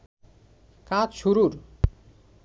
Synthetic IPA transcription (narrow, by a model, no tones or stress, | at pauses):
kad͡ʑʃuɾuɾ